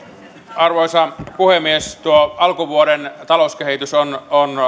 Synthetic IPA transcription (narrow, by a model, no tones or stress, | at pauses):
ɑrʋoisɑpuhemːiest̪uoɑlkuʋuoɾent̪ɑlouskehit̪ysonon